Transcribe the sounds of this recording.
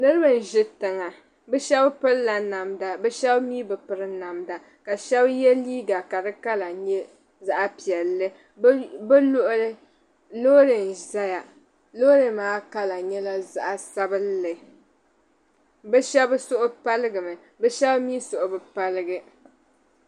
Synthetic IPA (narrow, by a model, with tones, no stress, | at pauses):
nɨ˦ɾɨ˦bɨ˨n̩˨ʒɪ˦tɨ˨ŋa˨ | bɛ˦ʃɛ˦bpɨ˦ɾla˨na˨mda˨bɛ˦ʃɛ˦bmiː˦bɨ˨pɨ˨˦ɾɨ˦na˨mda˨ | ka˨ʃɛ˦bjɛ˦liː˦ɡa˨ka˨dɨ˦ka˦la˨ɲɛ˦ | za˦ʔa˨pi˨ɛ˨lːɨ˦ | bɨ˦lʊ˦ʔʊ˦lɨ˦ | lo˦ɾɨ˨n˨za˦ja˨ | lo˦ɾɨ˨maː˦ka˦la˨ɲɛ˦la˦za˦ʔa˨sa˦bɨ˦lːɨ˨ | bɛ˦ʃɛ˦bɨ˦sʊ˦ʔʊ˦pa˦lɨ˦ɡɨ˨mɨ˨ | bɛ˦ʃɛ˦bmiː˦sʊ˨ʔʊ˨bɨ˨pa˦lɨ˦ɡɨ˦